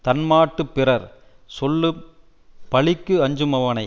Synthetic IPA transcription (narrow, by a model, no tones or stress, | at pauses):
t̪ɐnmaːʈːɯpːɪrɐɾ | sɔlːɯ | pɐɭɪkːɯɐɲd͡ʒɯmɐʋɐnɐɪ